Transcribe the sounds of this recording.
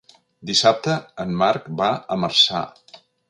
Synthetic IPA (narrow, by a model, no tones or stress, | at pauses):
d̪isap̚t̪əəmːaɾkbaəmərsa̰